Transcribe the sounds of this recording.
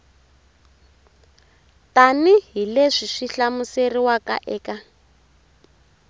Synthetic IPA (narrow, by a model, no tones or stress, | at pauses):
taniɦileʂiʂiɬamuseriwaka̰ʔɛːka